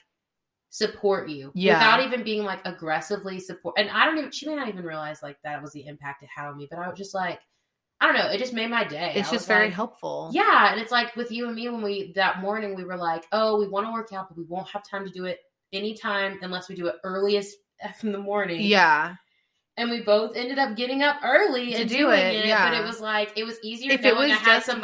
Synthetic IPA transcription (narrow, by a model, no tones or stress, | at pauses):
sɨpʰɔɹt͡ʃʉjwæɨθaʊɾivɨ̃nbiɪ̃ŋlaɪkɨɡɹɛsɨvlisɨpʰɔɹʔɨ̃naɪɾõʊ̃niʃimeɪnãtivɨ̃nɹiəlaɪzlaɪk̚ðɨt̚wʌzðiɪ̃mpæk̚tʌv̥haʊə̃nmib̥ʌɾaɪwʌzd͡ʒʌst̚ˡlaɪk | aɪɾõʊ̃nːoʊɨt̚d̥ʒ̥ʌsmeɪd̚maɪdeɪadʒ̥ʌsvɛɹiɦɛlˠpfl̩ˠjæɨ̃nɨtslaɪkwɨðjɨə̃nmiwə̃nwiðət̚mɔɹnɪ̃ŋwiwə˞laɪkoʊwiwɑ̃nəwɜ˞kaʊt̚b̥ʌt̚wiwõʊ̃nt̚həv̥tʰãɪ̃mtʰɨdɨɪɾ | ɛnitʰãɪ̃mɨ̃nlɛswidɨɪɾɜ˞lˠiɨz | n̩ðəmɔɹnɪ̃ŋŋjjæ | ɨ̃nwiboʊθɛ̃ndɨɾʌp̚ɡ̥ɛɾɪ̃ŋʌp̚ɜ˞lˠiɨ̃ndʉɪ̃ŋɪtæbʌɾɨt̚wʌzlaɪkɨt̚wʌziziə˞ɨ̃ɨ̥sʌ̃m